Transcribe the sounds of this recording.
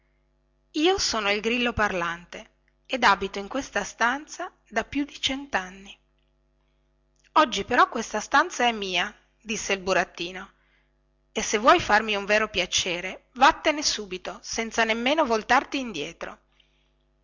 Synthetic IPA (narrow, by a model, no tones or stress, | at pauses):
iːosoːnoilɡɾilːoparlant̪e | ed̪abit̪oiŋkwest̪ast̪ant̪sa | d̪apjud̪it͡ʃɛnt̪anːi | ɔd͡ʒːipeɾɔkːwest̪ast̪ant̪saɛmːiːa | d̪isːeilbuɾat̪ːiːno | esevːwɔjfarmiuɱveːɾopjat͡ʃeːɾevat̪ːenesuːbit̪osɛnt̪sanemːeːnovolt̪art̪iːnd̪jɛːt̪ɾo̰